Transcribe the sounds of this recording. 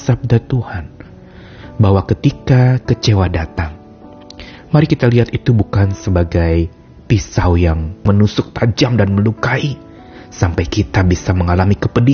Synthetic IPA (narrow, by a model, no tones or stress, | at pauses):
sab̚dat̪uhan | baɦwakət̪ikakət͡ʃewadat̪aŋ | maɾikit̪aliɦat̪it̪ubukansəbaɡaj | pisawjaŋmənusʊk̚t̪ad͡ʒamdanməlukai | sampajkit̪abisaməŋalamikəpədi